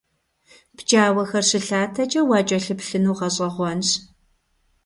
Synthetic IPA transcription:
b̥d͡ʒaːwɐxɐrɕɪɬaːtʰɐt͡ʃʼɐwɑːt͡ʃʼɐɬɨpɬɨnuːʁɐɕʼɐʁʷɔnɕ

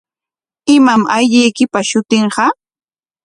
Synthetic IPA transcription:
ɪmamajʎɪjkɪpaʃʊt̪ɪɴɢɑ

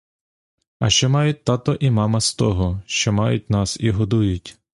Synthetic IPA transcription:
ɐ̰ʃt͡ʃɔmɑjʊt̚ʲt̪ɑt̪ɔʔimɑmɐst̪ɔɦɔʃt͡ʃɔmɑjʊt̚ʲnɑsiɦɔd̪ujʊtʲ

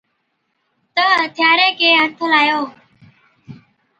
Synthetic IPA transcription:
t̪əːt̪ʰɪjaːɾeːkeːɦət̪ʰolaːjoː

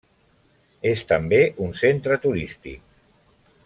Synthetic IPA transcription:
est̪əmbeʔunsent̪ɾət̪uɾist̪ḭk̚

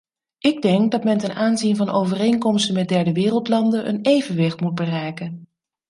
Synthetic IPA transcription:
ʔɪɡ̚dɛŋk̚dɑtmɛntɛnaːnzinvɑnowvərejŋkɔmstənmɛt̚dɛɹdəʋɪːrəlˠtlɑndənʔə̰nejvənʋɪχtmud̚bərɛjkən

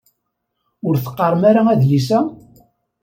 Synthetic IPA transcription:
ʊɾθə̥qːɑɾˤmaɾaæðlisæ

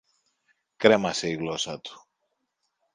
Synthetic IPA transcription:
kɾe̞mɐse̞iɣlosɐt̪u̥

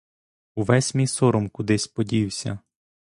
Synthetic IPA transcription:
uʋɛsʲmʲisɔɾɔmkʊd̪ɪsʲpɔdʲiwsʲɐ̰

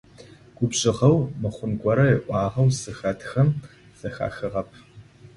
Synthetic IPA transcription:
ɡ̥ʷʊbɕʼɪʁɐwmɨχʷʊnɡʷɔɾɐjɪʔʷɑːʁɐwsɨxɐtxɐm | sɐxa̰ːxɨʁɐpʰ

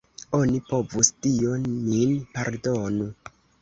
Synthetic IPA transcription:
onipo̞vustionːinpaɾdonu

